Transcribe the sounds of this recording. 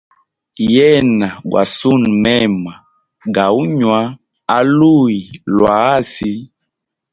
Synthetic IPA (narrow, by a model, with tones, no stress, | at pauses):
jɛ˦na˨ɡwa̰˨su˦˨nmɛ˦˨ma˨ | ɡa˨u˦ɲwa˦ | a˦lu˦˨i˨lwa˨˦a˦si˦